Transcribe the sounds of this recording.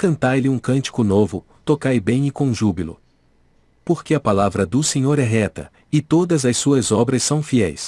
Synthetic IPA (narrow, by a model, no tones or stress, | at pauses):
kɐ̃nt̪ajlɪũkɐ̃nt͡ʃi̥kʊnovʊ | t̪okajbẽj̃ɪkõʒubilʊ̰ | poɾkeɐpalavɾɐd̪ʊsẽɲoɾɛɦɛt̪ɐ̰ | ɪt̪od̪ɐzɐssuɐzɔbɾɐsːɐ̃w̃fiɛjs